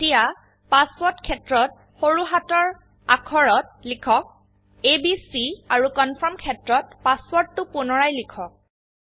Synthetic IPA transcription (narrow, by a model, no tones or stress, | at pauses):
tija | paswɔtkʰɛtɹɔt | xoɹuɦatɔɹ | akʰɔɹɔt̚likʰɔk̚ | ebisiaɹukɔnpʰɔɹmkʰɛtɹɔtpaswɔɹtːʊpʊnɔɹajlikʰɔk̚